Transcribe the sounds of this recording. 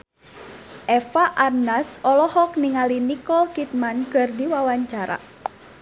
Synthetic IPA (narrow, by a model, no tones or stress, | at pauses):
ʔɛfaʔarnasɔlɔhɔkniŋalinikɔlkit̪̚mankərdiwawaɲt͡ʃaɾa̰